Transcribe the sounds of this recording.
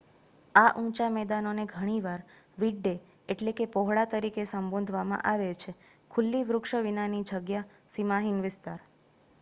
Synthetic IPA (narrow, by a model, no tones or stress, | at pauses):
aʔũt͡ʃamɛd̪anoneɡʱəɽ̃iʋaɾ | ʋiɖːe | eʈlekepɔɦɭat̪əɾikesəmbõnd̪ʱʋamã̰ʔaʋet͡ʃʰekʰʊlːiʋɾʊkʃəʋinanid͡ʒəɡja | simaɦinʋɪst̪aɾ